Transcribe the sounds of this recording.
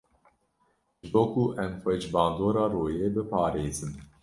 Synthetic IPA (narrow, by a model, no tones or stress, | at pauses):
ʒbokuːʔɛmfɛd͡ʒbɑ̃ːnd̪oːɾɑːɾoːjeːbɨpɑːɾeːzɨm